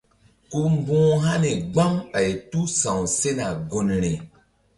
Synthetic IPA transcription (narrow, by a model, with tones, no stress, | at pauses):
ku˦m˦bũː˦ɦa˦ne˨ɡ͡bã˦ma˨jtu˦sã˨w̃se˦na˨ɡo˨nɾe˨